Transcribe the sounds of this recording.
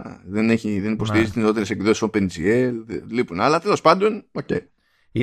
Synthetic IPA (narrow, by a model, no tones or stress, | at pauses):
ðene̞çiðe̞nipo̞st̪iɾizit̪izneo̞t̪eɾesepiðo̞sisopend͡zielðelipunɐlɐt̪elo̞spɐnd̪o̞nocḛj | i